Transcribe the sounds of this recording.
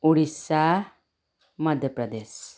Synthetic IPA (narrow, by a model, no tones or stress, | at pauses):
uɽisa | məd̪ʱjəpɾəd̪es